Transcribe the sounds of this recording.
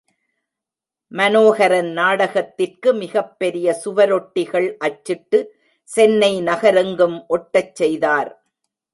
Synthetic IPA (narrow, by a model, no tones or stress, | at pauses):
mɐnoːɣɐɾɐnnaːɽɐɣɐt̪ːɪrkɯmɪɣɐpːɛɾɪjɐsʊʋɐɾɔʈːɪɣɐɭʔɐt͡ʃːɪʈːɯ | sɛnːɐɪnɐɣɐɾɐŋɡɯmʔɔʈːɐt͡ʃːɛjðaːɾ